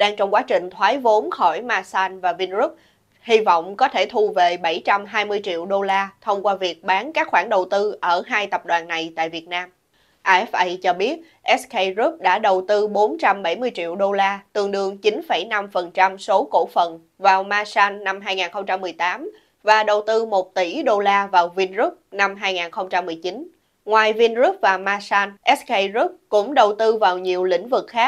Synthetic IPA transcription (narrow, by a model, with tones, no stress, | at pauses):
ɗaː˧ŋt͡ɕɔ˧wŋ͡mkwaː˨˦t͡ɕï˨˩ŋ̟t̪ʰwaː˨˦jvo˨˦nxɔ˧˩jmaː˧saː˧nvaː˨˩vi˧nzu˦˥p̚ | hi˧vɔ̰˧˨wŋ͡mkɔ˨˦t̪ʰe˧˩t̪ʰu˧ve˨˩ɓa˧˩jt͡ɕa˧mɦaː˧jmɨ˧əjt͡ɕḭ˧˨əwɗo˧laː˧t̪ʰə˧wŋ͡mkwaː˧vi˨˩ət̚ɓaː˨˦nkaː˦˥k̚xwaː˧˩ŋɗə˨˩wt̪ɨ˧ʔəː˧˩ɦaː˧jt̪ə˨˩p̚ɗwaː˨˩nːa˨˩jt̪a̰ː˧˨vi˨˩ət̚naː˧m | ʔaː˧ʔɛ˦˥fʔə˧jt͡ɕɔ˧ɓi˦˥ət̚ | ʔɛ˦˥skə˧jzu˦˥p̚ɗa̰ː˧˥˩ɗə˨˩wt̪ɨ˧ɓo˨˦nt͡ɕa˧mɓa˧˩jmɨ˧əjt͡ɕḭ˧˨əwɗo˧laː˧t̪ɨ˨˩əŋɗɨ˧əŋt͡ɕi˨˦nfə˧˩jna˧mfə˨˩nt͡ɕa˧mso˨˦ko̰˧˥fə˨˩n | vaː˨˩wmaː˧saː˧nːa˧mɦaː˧jŋaː˨˩nxə˧wŋ͡mt͡ɕa˧mːɨ˨˩əjt̪aː˨˦m | vaː˨˩ɗə˨˩wt̪ɨ˧mo˨˩t̚t̪i˧˩ɗo˧laː˧vaː˨˩wvi˧nzu˦˥p̚na˧mɦaː˧jŋaː˨˩nxə˧wŋ͡mt͡ɕa˧mːɨ˨˩əjt͡ɕi˨˦n | ŋwaː˨˩jvi˧nzu˦˥p̚vaː˨˩maː˧saː˧nʔɛ˦˥skə˧jzu˦˥p̚kʊ̰˧˥ŋ͡mɗə˨˩wt̪ɨ˧vaː˨˩wɲi˨˩əwlḭ̈˧˥ŋ̟vɨ˨˩k̚xaː˦˥kk̚